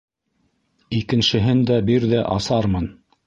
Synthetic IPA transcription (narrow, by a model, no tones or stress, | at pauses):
ikɘ̆nʃɘ̆ɦɘnd̪æbiɾðæʔɑ̰sɑɾmɤn